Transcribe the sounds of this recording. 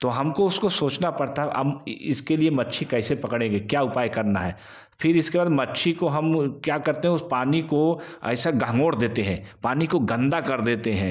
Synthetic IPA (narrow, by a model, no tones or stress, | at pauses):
t̪oɦɐmkoʊskosoːt͡ʃnapɐɽt̪aɦɛʔɐ̰ɪskeliemɐtːʃʰikɛːsepɐkɽ̃ẽːŋɡekjaːʊpaːjkɐɾnaɦɛː | fʰɪɾɪskebaːd̪mɐtːʃʰikoɦɐmkjaːkɐɾt̪eɦɛʊspaːnikoɛ̰ːsaɡɐɦŋɡoːɽd̪eːt̪eɦɛ̃ːpaːnikoɡɐ̃nd̪akɐɾd̪eːt̪eɦɛ̃ː